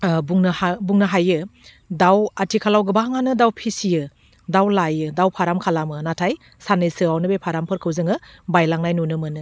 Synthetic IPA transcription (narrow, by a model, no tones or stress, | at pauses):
buŋnɯbuŋnɯɦajɯ | dawatʰikʰalawɡɯbaɦaŋanɯdawpʰisijɯ | dawlajɯdawpʰaɾamkʰalamɯnatʰaj | sanɯsɯawnɯbepʰaɾampʰɯɾkʰɯwzɯŋɯbajlaŋnajnunɯmɯnɯ